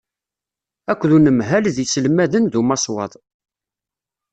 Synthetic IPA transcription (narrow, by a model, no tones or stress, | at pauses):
ækʷːðunəmɦælðisəlmæðənðumɑswɑðˤ